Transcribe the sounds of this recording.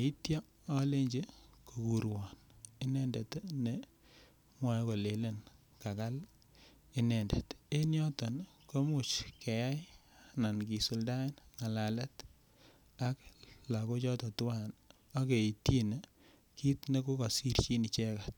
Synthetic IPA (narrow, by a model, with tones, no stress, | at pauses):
i˦tjɔ˦ | a˦le˦ɲd͡ʒe˦ko˨ku˨ɾwɔ˨nɪ˦nɛ˦nde˨tne˦ | mwa˦ko˨le˨le˦n | ka˨ka˦l | ɪ˦nɛ˨nde˨te˦njɔ˦tɔ˨n | ko˦mu˨t͡ʃke˨ja˦jana˨nki˨su˨lda˦nŋa˨la˨lɛ˦t | a˦kla˨ko˦t͡ʃɔ˦tɔ˨tu˦wa˦˨n | a˦ke˨i˨ti˦ne˦ | ki˦tne˦ko˦ka˨si˦rt͡ʃi˦ni˨t͡ʃɛ˦ka˨t̚